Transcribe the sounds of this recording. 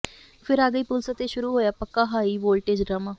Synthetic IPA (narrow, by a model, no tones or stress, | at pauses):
pʰɪɾaːɡəiːpʊlsət̪eːʃʊɾuːɦoːjaːpəkːaːɦaːiːboːlʈeːd͡ʒɖɾaːmaː